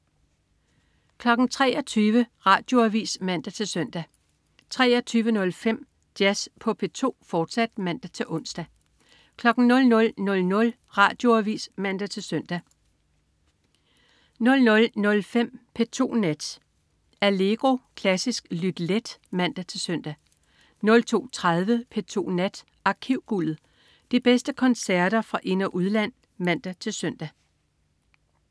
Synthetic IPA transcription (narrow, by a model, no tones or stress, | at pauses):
kʰlɒ̽ɡ̥n̩t͡sʰʁɛ̰ːɒt͡sʰyːʋəʁɑ̈ːd̥jo̝æʋḭːsmæn̰d̥æt͡sʰe̝lsœn̰d̥æ | t͡sʰʁɛ̰ːɒt͡sʰyːʋənɔ̽lfem̰ | d̥jæspʰɒ̽pʰe̝t͡sʰo̝̰ːfɒːd̥sæd̥̚mæn̰d̥æt͡sʰe̝ʔɔ̽n̰sd̥æ | kʰlɒ̽ɡ̥n̩nɔ̽lnɔ̽lnɔ̽lnɔ̽l | ʁɑ̈ːd̥jo̝æʋḭːsmæn̰d̥æt͡sʰe̝lsœn̰d̥æ | nɔ̽lnɔ̽lnɔ̽lfem̰pʰe̝t͡sʰo̝̰ːnæd̥ | æle̝ɡ̥ʁo̝kʰlæsisɡ̥lyd̥led̥mæn̰d̥æt͡sʰe̝lsœn̰d̥æ | nɔ̽lt͡sʰo̝̰ːt͡sʰʁað̞ˠʋəpʰet͡sʰo̝̰ːnæd̥ | ɑ̈kʰiʊ̰ɡ̥ulð̩ˠ | d̥ib̥esd̥əkʰɒ̽nsæɐd̥ɐfʁɑ̈ʔe̝nɐʔuð̞ˠlæn̰ | mæn̰d̥æt͡sʰe̝lsœn̰d̥æ